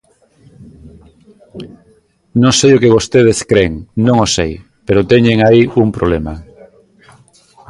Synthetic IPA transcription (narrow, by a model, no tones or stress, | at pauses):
nõŋsejokeβ̞ost̪eð̞eskɾeŋnõŋosej | peɾot̪ɛɲeŋaiumpɾoβlema